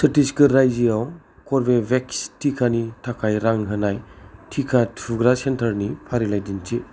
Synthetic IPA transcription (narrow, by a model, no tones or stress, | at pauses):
sɐtiskɯɾajziaw | kɔɾbebekstʰikʰanitʰakʰajɾaŋɦɯnajtʰikʰatʰuɡɾasentʰəɾnipʰaɾilajdint͡ʃi